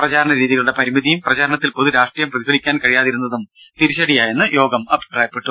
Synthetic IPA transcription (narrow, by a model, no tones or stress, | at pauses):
prɐd͡ʑaːɾɐɳɐɾiːðiɣɐɭuɽe̞pɐɾimiðijumprɐd͡ʑaːɾɐɳɐt̪ːilpo̞ðuɾaːʂʈrijɐmprɐðibɐnikʲːaːnkɐɻijaːðiɾunːɐðumt̪iɾiɕɐɽijaːjenːɨjo̞ːɡɐmɐbʱi̥praːjɐpːeʈː